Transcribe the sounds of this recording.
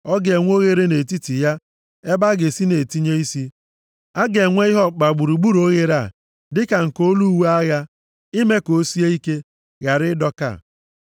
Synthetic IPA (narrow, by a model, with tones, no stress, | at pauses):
ɔ˦ɡe˨ŋʷ˦o˦ɣe˦ɾe˦ne˨ti˦ti˨ja˦ | e˦ba˦ɡe˨si˦ne˨ti˦ɲe˦i˦si˦ | a˦ɡe˨ŋʷe˦ɪ˦ɦɔ˦k͡pa˨ɡ͡bu˨ɾu˨ɡ͡bu˦ɾo˦ɣe˦ɾa˦˨ | dɪ˦ka˨ŋ̩˨ko˦lu˦we˦a˦ɣa˦ | i˦me˦ko˦si˦e˦i˦ke˦ | ɣa˨ɾɪ˦dɔ˦ka̰˦˨